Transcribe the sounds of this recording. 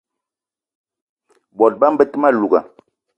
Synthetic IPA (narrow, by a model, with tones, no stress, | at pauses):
bɔ˨t̚ba˦m̩˦bə˦tə˦ma˦˨lu˨ɡa̰˨